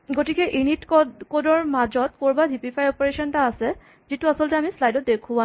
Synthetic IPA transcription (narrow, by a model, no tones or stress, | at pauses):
ɡotikɛʔenitkɔkodɔɹmad͡ʒɔtkoɹbadʱipipʰajɔpɔɹeʃɔntaːsɛ | zituasɔlɔtɛamislajdɔt̚dekʰuwa